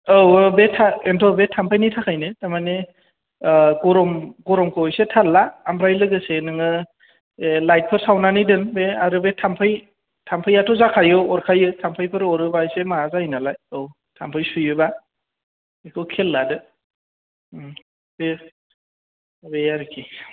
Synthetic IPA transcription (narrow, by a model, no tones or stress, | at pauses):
ɯwbetʰaentʰɔbetʰampʰajnijtʰakʰajnɯtamane | ɡɔɾɔmɡɔɾɔmkʰɯjsetʰalːaːmpʰɾajlɯɡɯsenɯŋɯ | lajt̚pʰɯɾsawnanɯjdɯnbeaɾɯbetʰampʰɯj | tʰampʰɯjatʰɔzakʰajɯɔɾkʰajɯtʰampʰɯjpʰɯɾɔɾɯbajsemaazainalajow | tʰampʰɯjsujɯba | ekʰɯwkʰelːadɯ | b̥e | bejaɾɯkʰi